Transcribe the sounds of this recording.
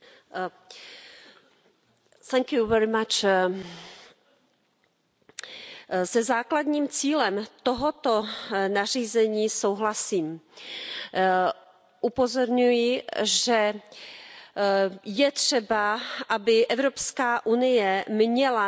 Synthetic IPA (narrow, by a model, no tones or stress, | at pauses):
θɛŋkjuvɛɾɪmat͡ʃ | sɛzaːklad̪ɲiːmt͡siːlɛmt̪oɦot̪o̞nar̝iːzɛɲiːsowɦlasiːm | ʔupo̞zo̞ɾɲujɪʒɛ | jɛt̪r̝̥ɛbaʔabɪʔɛvɾopskaːʔunɪjɛmɲɛla